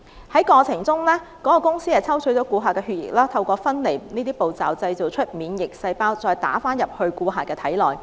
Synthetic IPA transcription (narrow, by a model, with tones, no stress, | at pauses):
hɐ˨˥jkɔː˧t͡sʰɪ˨˩ŋt͡sʊ˥ŋlɛː˥ | kɔː˨˥kɔ˧kʊ˥ŋsiː˥hɐ˨˩t͡sʰɐ˥wt͡ʃʰɵ˨˥t͡sɔː˨˥kuː˧ɦaː˨kɛː˧hy˧t̚jɪ̰˨˩k̚laː˥t̪ʰɐ˧wkʷɔː˧fɐ˥nle˨˩jniː˥t̪iː˥po˨˩wt͡saː˨˩wt͡sɐ˧jt͡so˨wt͡ʃʰɵ˥t̚miː˨˧njɪ˨˩k̚sɐ˧jpaː˥wt͡sɔː˧jt̪a̰ː˨˥faː˥njɐ˨p̚hɵ˧ɥkuː˧ɦaː˨kɛː˧t̪ʰɐ˨˥jlɔː˨j